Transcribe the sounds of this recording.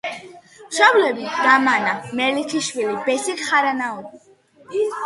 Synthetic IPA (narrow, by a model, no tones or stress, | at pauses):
mʃɔblɛbid̪̥amanamɛlik̪ʰiʃwilibɛsikχaɾanaɔ